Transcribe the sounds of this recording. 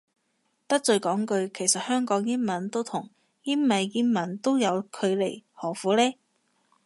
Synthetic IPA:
t̪ɐ˥k̚t͡sɵ˧ɥkɔː˨˥ŋkɵ˧ɥkʰe˨˩jsɐ˨t̚hœː˥ŋkɔː˨˥ŋji˥nmɐ˨˥nt̪o˥wt̪ʰʊ˨˩ŋ | ji˥nmɐ˨jːiː˧˥nmɐ˨˩nt̪o˥wjɐ˨˧wkʰɵ˨˧ɥlḛ˨˩jhɔː˨˩fuː˨˥lɛː˥

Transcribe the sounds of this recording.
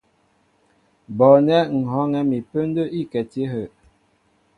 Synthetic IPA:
bɔ˨nɛ˦ŋ̩˨ɦɔ˨˦ŋɛ˦mi˨pə˦n˦də˦ʔi˦˨kɛ˨te˦ɦə˨ʔ

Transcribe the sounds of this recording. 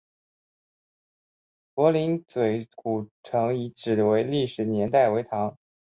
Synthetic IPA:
pwɔ˧˥li˧˥nt͡swe˨˩ɪku˨˩ʈ͡ʂʰɤ˧˥ŋi˧˥ʈ͡ʂɻ̩˨˩we˧˥ɪli˥˩ʂɻ̩˨˩njɛ˧˥nt̪a˥˩ɪwe˧˥ɪt̪ʰɑ˧˥ŋ

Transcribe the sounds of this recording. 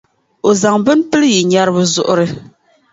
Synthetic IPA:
o˨za˨ŋbɨ˦n˦pɨ˦lɨ˦ji˨ɲa˦ɾɨ˦bɨ˨zʊ˨ʔʊ˦ɾɨ˦

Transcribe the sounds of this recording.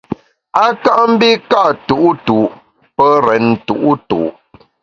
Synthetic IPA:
a˦ka˦ʔm̩˦bi˦ka˦ʔtu˨˦ʔu˦tu˨ | pə˦ɾɛ˨n˨tu˨ʔu˦tṵ˨

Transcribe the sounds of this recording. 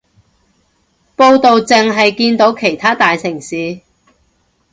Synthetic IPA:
po˧wt̪o˨wt͡sɪ˨ŋɦɐ˨jkiː˧nt̪o˨˥wkʰe˨˩jt̪ʰaː˥t̪aː˨jsɪ˨˩ŋsiː˨˧

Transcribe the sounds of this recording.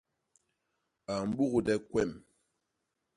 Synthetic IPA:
a˨m̩˨˦ɓu˦ɣu˨dɛ˦kwɛ˦˨m

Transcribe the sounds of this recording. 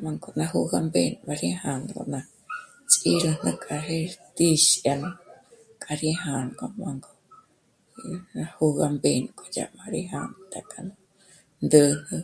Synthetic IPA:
ma˧ŋkonã˧hu˧ɡa˧mbenba˧ɾiha˧nko̰˧nã˧ | t͡ʃʼiɾɨ˧nɨ˧kʼa˧ɦet̪i˧ʃja˧na˧kʼa˧ɾiɦanko˧maŋɡo | nahu˧ɣa˧mbenkʼod͡ʒa̰ʔmã˧ɾi˧ɦant̪akʼa˧na | nd̪ɨ˧hɨ

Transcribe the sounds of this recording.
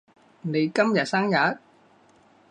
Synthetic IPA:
ne˨˧jkɐ˥mjɐ˨t̚saː˥ŋjɐ˨˥t̚

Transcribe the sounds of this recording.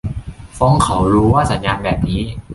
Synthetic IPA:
fɔː˦˥ŋkʰa˨˦wɾuː˦˥waː˥˩sa˨˩˦njaː˧nbɛː˨˩p̚niː˦˥

